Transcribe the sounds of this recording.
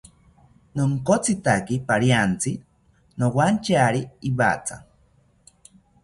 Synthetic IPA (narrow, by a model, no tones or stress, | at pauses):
noŋkot͡sit̪akipaɾijant͡si | nowant͡ʃaɾiːβa̰t͡sa̰